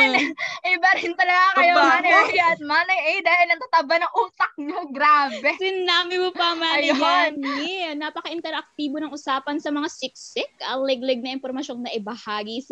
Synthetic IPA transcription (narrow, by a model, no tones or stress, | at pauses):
ʔɛbɐɾhɪnt̪ɐlɐɡakjjoɐnjanmanɐjʔɛjd̪aːhɪlnɐŋt̪ɐt̪ɐbɐnɐŋʔuːt̪ɐk̚ɲoɡɾaːbɛsɪnːaːmɪmopɐmaːjaninapɐkɐʔɪnt̪ɛɾʔɐk̚t̪iːbonɐŋʔʊsaːpɐnsɐmɐŋasɪksɪkɐlɛɡlɛɡ̚nɐʔɪnpoɾmɐʃo̞nnɐʔɪbɐhaːɡis